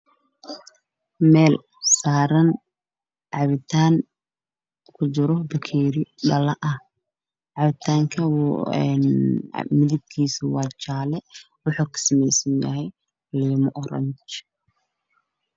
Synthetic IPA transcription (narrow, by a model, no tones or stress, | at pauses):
mɛːl | saːɾɐn | ʕɑβɪt̪ʰaːŋ | kʰʊt͡ʃɪɾɔbɐkʰɛːɾɪɖɐlɐʔɐh | ʕɑβɪt̪ʰaːŋkʰɐw̰n̰mɪðɪb̚kʰiːsɪwɑːt͡ʃaːlɛ | wʊħuːkʰɐ̥sɐmɛjsɐnjɐ̰ɦɛj | lɛːmʊʔɔɾɐ̰nt͡ʃ